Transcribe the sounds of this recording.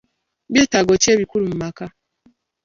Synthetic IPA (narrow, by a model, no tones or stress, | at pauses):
βjeːtaɡoceːβikuɾumumaka